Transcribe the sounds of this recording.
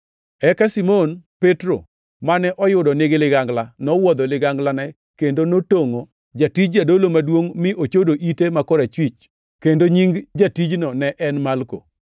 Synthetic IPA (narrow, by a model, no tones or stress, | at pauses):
ɛkasimonpetɾo̰ | manɛʔɔjʊdɔnɪɡɪlɪɡaŋɡlanɔwɔd̪ɔlɪɡaŋɡlanɛ | kendonotoŋo | d͡ʒatid͡ʒd͡ʒadolomadwoŋmɪʔot͡ʃodoʔitemakɔɾɛt͡ʃwit͡ʃ | kendoɲiŋd͡ʒatid͡ʒnɔnɛʔɛnmalko̰